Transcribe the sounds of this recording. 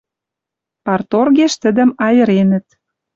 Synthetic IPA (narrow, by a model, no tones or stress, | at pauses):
pɑrt̪orɣeʃt̪ə̆d̪ə̆mɑjə̆ɾenə̆t̪̚